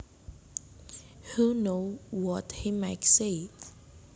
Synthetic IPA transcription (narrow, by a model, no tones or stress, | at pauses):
hunowɔthimaɪtse